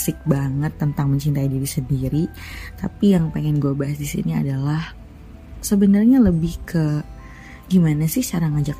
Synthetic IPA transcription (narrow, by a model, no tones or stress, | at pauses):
sɪk̚baŋət̪ːənt̪aŋməɲt͡ʃint̪aidiɾisəndiɾi | t̪apijaŋpeŋɛnɡuabaɦasdisḭnia̰dalah | səbənərɲaləbɪhkə | ɡimanasɪht͡ʃaɾaŋad͡ʒak